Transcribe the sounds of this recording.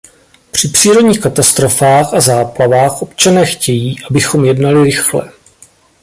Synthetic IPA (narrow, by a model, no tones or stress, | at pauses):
pr̝̥ɪpr̝̥iːɾoɟɲiːxkat̪ast̪ɾo̞faːxazaːplavaːxʔo̞pt͡ʃanɛːxcɛjiːʔabɪxo̞mjɛdnalɪɾɪxlɛ̰